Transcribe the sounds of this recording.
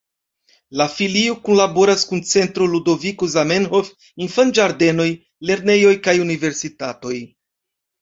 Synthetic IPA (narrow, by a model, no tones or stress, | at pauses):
lafiliokunlabo̞ɾaskunt͡se̞ntɾoludo̞vikozamenhof | infand͡ʒaɾde̞no̞j | le̞ɾne̞jo̞jkajunive̞ɾsitato̞j